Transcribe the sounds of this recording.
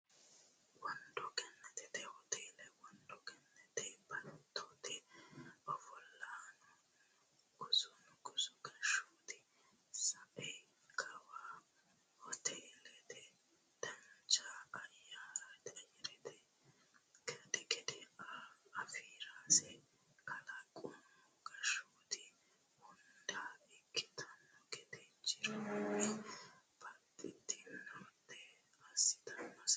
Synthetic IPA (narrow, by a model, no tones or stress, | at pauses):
wɔnd̪ɔkɛnːɛt̪ɪt̪ɛhɔt̪ʰeːlɛwɔnd̪ɔkɛnːɛt̪ɛbɐt̪ʰːʊt̪ɪ | ɔfɔlːaːnʊ | ɡʊzʊnʊɡʊzʊkɐʃuːt̪ɪ | sɐʔɛj | kʰɐwaː | hɔt̪ʰeːlɛt̪ɛ | d̪̥ɐnt͡ʃaɐjːaːɾɐt̪ʼɛjɛɾɛt̪ʰɛ | kɛt̪ɛkɛd̪ɛaɐfiːɾaːsɛ | kʰɐlɐkʼʊmːɔɡɐʃoːt̪ɪ | hʊnd̪aːɪkːɪ̥t̪ʰɐnːɔkɛt̪ɛt͡ʃːɪɾɐwmɛbɐt̪ʼːɪt̪ːɪɔt̪ːɛ | ɐsɪ̥t̪ɐnːɐs